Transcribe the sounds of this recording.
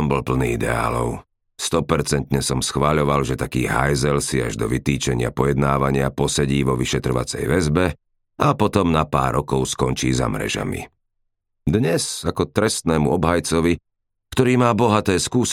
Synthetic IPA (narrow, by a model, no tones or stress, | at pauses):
ɔmbɔlpl̩niːid̪ɛ̰a̰ːlɔʊ | st̪ɔpɛɾt͡sɛnt̪ɲɛsɔmsxʋaʎɔʋalʒɛt̪akiːɦa̰jzɛlsiaʒd̪ɔʋit̪iːt͡ʃɛɲɪa̰pɔjɛd̪naːʋaɲɪapɔsɛɟiːʋɔʋiʃɛt̪ɾɔʋa̰t͡sɛ̰jʋɛzbɛ | apɔt̪ɔmnapa̰ːɾʔɔkɔʊskɔnt͡ʃiːza̰mɾɛ̰ʒa̰mḭ | d̪ɲɛsakɔt̪ɾɛst̪nɛːmṵɔbɦajt͡sɔʋi | kt̪ɔɾiːmaːbɔɦat̪ɛːskuːs